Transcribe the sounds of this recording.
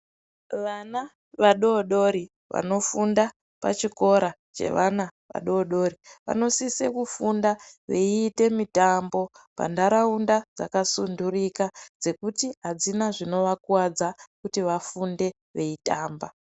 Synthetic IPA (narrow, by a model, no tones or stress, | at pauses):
ʋana | ʋaɗo̞ɗo̞ɾi | ʋa̰no̞funda | pa̰t͡ʃiko̞ɾa | t͡ʃe̞̰ʋanaʋa̰ɗo̞ɗo̞ɾiʋa̰no̞sisekufundaʋḛiːte̞mitambo̞ | pa̰ndaɾaundad͡za̰kasundurikad͡ze̞kutiɦad͡zinaʐino̞ʋakuwad͡zakutiʋafunde̞ | ʋe̞itaːmba